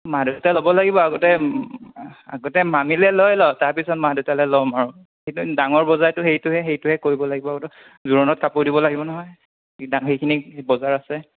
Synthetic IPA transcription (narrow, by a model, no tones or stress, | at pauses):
madotalobɔlaɡibɔaɡɔtɛ | a̰ɡɔtɛmamilɛlɔjlɔtaɹpisɔt̚madutalɛlɔmaɹʊ | hejtudaŋɔɹbɔzajtʊɦejtʊɦɛɦejtʊɦɛkoɹibɔlaɡibɔaɡɔtɔ | zuɹɔnɔt̚kapoɹdibɔlaɡibɔnɔɦɔj | daŋɦejkʰinibɔzaɹasɛ